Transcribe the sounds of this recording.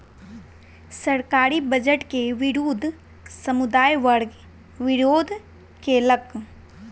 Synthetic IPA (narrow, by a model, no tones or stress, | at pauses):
sɐɾkaːɾibɐd͡ʒəʈkeʋɪɾuːd̪ʱ | sɐmʊd̪aːjʋəɽ | ʋɪɾoːd̪ʱ | kelɐk